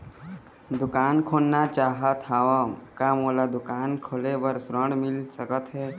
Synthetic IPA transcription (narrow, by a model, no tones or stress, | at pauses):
d̪ʊkaːnkʰoːlnat͡ʃaːɦət̪ɦaːʋamkamoːlad̪ʊkaːnkʰoːlebəɾsɾə̃ɳɖmɪlsəkət̪ɦɛː